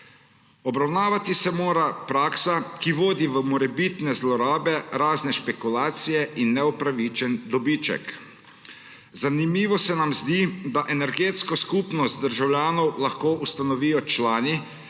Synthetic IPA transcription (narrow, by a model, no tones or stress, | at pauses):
ɔbɾawnaːʋat̪isɛmoːɾapɾaːksakiʋoːd̪iʋəmɔɾɛbit̪nɛzlɔɾaːbɛɾaːznɛʃpɛkulaːt̪sijɛʔinːɛupɾaʋit͡ʃɛnd̪ɔbiːt͡ʃɛ̰k | zanimiːʋɔsɛnamzd̪id̪aʔɛnɛɾɡeːt̪skɔskupnɔst̪̚d̪əɾʒawlʲjaːnɔwlaxkoːʔust̪anɔʋiːjɔt͡ʃlaːni